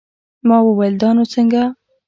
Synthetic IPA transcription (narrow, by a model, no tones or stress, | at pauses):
mɑwəwajld̪ɑnot͡səŋɡa